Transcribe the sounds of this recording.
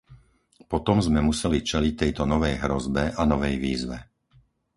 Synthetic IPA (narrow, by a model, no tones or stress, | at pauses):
pɔt̪ɔmzmɛmusɛlit͡ʃɛlic̚t̪ɛjt̪ɔnɔʋɛjɦɾɔzbɛʔanɔʋɛjʋiːzʋɛ̰